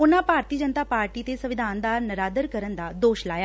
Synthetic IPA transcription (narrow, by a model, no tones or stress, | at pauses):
ʊnãːpaːɾt̪iːd͡ʒənt̪aːpaːɾʈiːt̪eːsəʋɪd̪ʱaːnd̪aːɾnəɾaːd̪əɾkəɾənd̪aːd̪oːʃlaːjaː